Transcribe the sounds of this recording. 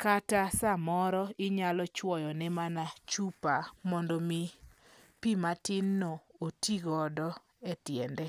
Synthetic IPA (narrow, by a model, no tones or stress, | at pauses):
katasamɔɾɔɪɲalɔt͡ʃwɔjɔnɛmanat͡ʃupamɔndɔmi | pimatɪnːɔotiɡɔdɔ | etjɛndɛ